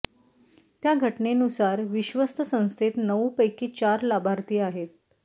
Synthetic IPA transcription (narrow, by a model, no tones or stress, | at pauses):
t̪jaɡʱəʈnenusaɾʋiɕʋəst̪ʰəsə̃w̃st̪ʰet̪nəwpəjkiːt͡ɕaɾlabʱaɾt̪iːaɦet̪̚